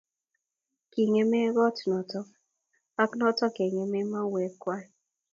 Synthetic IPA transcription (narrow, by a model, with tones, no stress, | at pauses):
ki˨ŋe˦mɛ˦ɡɔ˦tnɔ˨tɔ˦ | a˦knɔ˦tɔ˦ke˨ŋe˨mɛ˦ma˦we˨˦kwa˦